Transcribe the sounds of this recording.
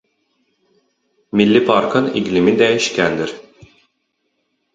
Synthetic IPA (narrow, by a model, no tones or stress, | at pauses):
milʲːipʰaɾkʰɯniɟlʲimind̪ɛjiʃcʲænd̪iɾ̥